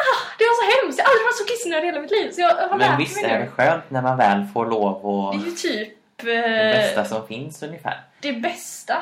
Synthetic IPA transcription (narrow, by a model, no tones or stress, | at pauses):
ɑd̪̥ɛvaɾʂɔɦɛmst̪jʔald̪ɾɪvasɔkʰɪsnad̪heːlamɪt̪liːvsɔjɑhɔmnvɪsːaɛɛɧøːnt̪næɾmanvɛːlfoːɾɭoːvɔd̪ɛjɵt̪ʰyːp | ɛbɛst̪asɔmfɪnsɵnjəfæ̰ːɾd̪̥ɛbɛst̪a